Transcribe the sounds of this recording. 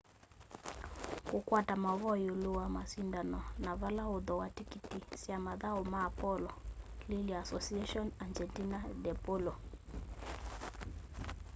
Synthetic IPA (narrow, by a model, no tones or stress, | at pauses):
kukwatamaβɔjoluwamasindanɔnaβalaoðɔwatikitisjamaðaɔmaːpɔlɔliliasɔsiaʃɔnand͡ʒɛntinadɛpɔlɔ